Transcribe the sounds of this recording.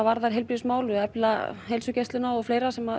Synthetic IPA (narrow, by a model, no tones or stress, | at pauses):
avaɾðaɾ̥ɦejlpɾismaːwlʏɛplahelsʏcest̪ɪnaɔɣfleːjɾasɛma